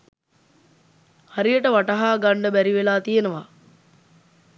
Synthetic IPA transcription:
haɾijəʈəʋaʈɐɦaːɡaɳɖəbæɾiʋelaːt̪ijenəʋa

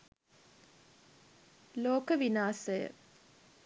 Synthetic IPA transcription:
loːkəʋinaːsəjə̰

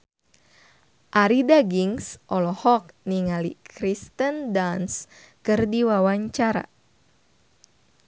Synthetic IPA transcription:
ʔaɾidaɡiŋsʔɔlɔhɔk̚niŋalikɾist̪əndans | kɨrdiwawaɲt͡ʃaɾa̰

